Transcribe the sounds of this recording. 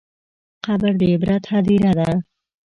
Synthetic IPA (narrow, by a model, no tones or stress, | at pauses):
qabəɾd̪ebɾat̪ʰad̪iɾad̪a